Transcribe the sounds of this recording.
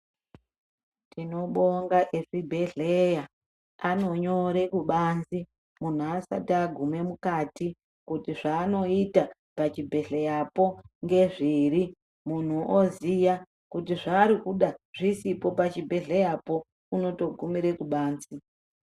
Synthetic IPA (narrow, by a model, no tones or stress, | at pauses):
tino̞ɓo̞ŋɡaʔeʐibʱe̞ɮeja | ano̞ɲo̞ɾe̞kuɓanzi | mun̤uasa̰taɡʱume̞mukati | kutiʐaːno̞ita | pat͡ʃibʱe̞ɮejapo̞ŋɡe̞ʐiɾi | mun̤uʔozija | kutiʐaːɾikuɗaʐ̥isipo̞pat͡ʃibʱe̞ɮe̞japo̞ | uno̞to̞ɡʱumiɾe̞kuɓaːnzi